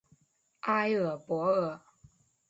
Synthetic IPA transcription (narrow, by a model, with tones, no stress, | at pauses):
ʔa˥ɪə˨˩pwɔ˧˥ə˨˩